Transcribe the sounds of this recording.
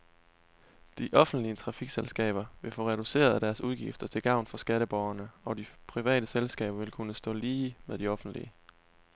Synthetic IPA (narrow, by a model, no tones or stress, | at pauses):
d̥iʔɒ̽fn̩d̥liət͡sʰʁɑ̈fiɡ̥selsɡ̥ɛ̰ːb̥ɐʋe̝fɔ̰̽ːʁɛɾ̥use̝̰ːɐð̞̩ˠæd̥æɐsuðˠɡ̥ifd̥ɐt͡sʰe̝lɡ̥ɑ̈ʊ̰nfɒ̽sɡ̥æɾəb̥ɒʊɐnəɒ̽d̥ipʰʁiʋɛ̰ːɾ̥əselsɡ̥ɛ̰ːb̥ɐʋe̝lkʰunəsd̥ɔ̰̽ːliːmeðˠd̥iɒ̽fn̩d̥lḭə